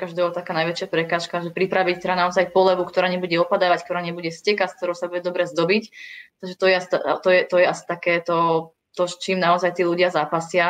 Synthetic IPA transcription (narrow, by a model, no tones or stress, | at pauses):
kaʒd̪ɛːɔt̪akaːnajʋɛt͡ʃɪapɾɛkaːʃkaʒɛpɾipɾaʋict̪ɛɾd̪anaɔzajpɔlɛʋukt̪ɔɾaːɲɛbuɟɛɔpad̪aːʋack̚t̪ɔɾaːɲɛbuɟɛscɛkask̚t̪ɔɾɔʊsabuɟɛd̪ɔbɾɛzd̪ɔbict̪aɡʒɛt̪ɔjɛast̪at̪ɔjɛt̪ɔjɛasi̥t̪akɛːt̪ɔ | t̪ɔt͡ʃiːmnaɔzajt̪iːluɟɪazaːpasɪa